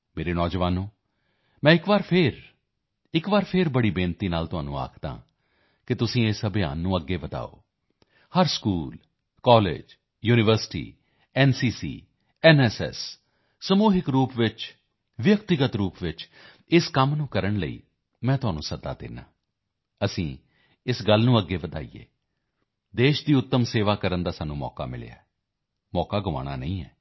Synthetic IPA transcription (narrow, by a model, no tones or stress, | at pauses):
meːɾeːnɔːd͡ʒʋaːnõː | mɛ̃ːɪkʋaːɾpʰɪɾ | ɪkʋaːɾpʰɪɾbəɽiːbẽːnt̪iːnaːlt̪ʊɦa̰ːnṵ̃ːa̰ːkʰd̪ã̰ː | kɪt̪ʊsĩːesəbja̰ːnːũːəɡːeːbət̪a̰ːo̰ː | həɾskuːl | kɔːlḛːd͡ʒ | juːnɪʋəɾsɪ̥ʈḭː | ɛːnsiːsḭː | ɛːnɛːsɛ̰sː | əmuːɦɪkɾuːpʋɪt͡ʃ | ʋjək̚t̪ɪɡət̪ɾuːpʋɪt͡ʃ | ɪskəmnũːkəɾəɳləḭː | mɛ̃ːt̪ʊɦaːnũːsəd̪a̰ːd̪ɪ̰nːã̰ː | əsĩː | ɪsɡəlnũːəɡːeːʋəd̪a̰ːḭjḛː | d̪eːʃd̪iːʊt̪ːəmseːʋaːkəɾənd̪aːsaːnːũːmɔ̰ːka̰ːmɪ̰l̰ja̰ːɛ | mɔːkaːɡəʋa̰ːɽ̃a̰ːnə̰ĩːɛː